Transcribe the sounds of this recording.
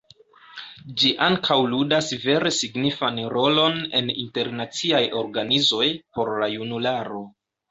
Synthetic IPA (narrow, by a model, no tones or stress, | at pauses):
d͡ʒiʔaŋkʰawludasve̞ɾe̞siɡnifanɾo̞lo̞ne̞̰nḭnte̞ɾnat͡siajo̞ɾɡanizo̞jpo̞ɾlajunulaɾo̞